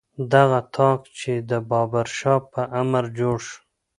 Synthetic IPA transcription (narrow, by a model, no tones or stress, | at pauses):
d̪aɣat̪ʰɑkt͡ʃed̪əbɑbaɾʃɑpəʔamaɾd͡ʒoɽʃ